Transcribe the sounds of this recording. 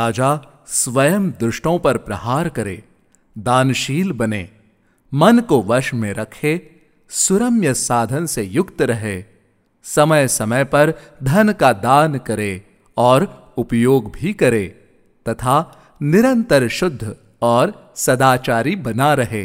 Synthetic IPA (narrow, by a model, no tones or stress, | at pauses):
aːd͡ʒa | sʋɐjəmd̪ɾʊʃʈõpɐɾpɾɐhaːɾkɐɾḛː | d̪aːnʃiːlbɐneː | mɐnkoʋɐɾʃmẽɾɐkʰe | sʊɾəmjəsaːd̪ʱənsejʊkt̪ɾɐɦeː | sɐməjsɐməjpɐɾd̪ʱɐnkad̪aːnkɐɾe | ɔːɾ | ʊpjoːɡbʱikɐɾeː | t̪ɐt̪ʰa | nɪɾə̃nt̪əɾʃʊd̪ʱːə | ɔːɾsɐd̪aːt͡ʃaːɾibɐnaɾɐɦḛː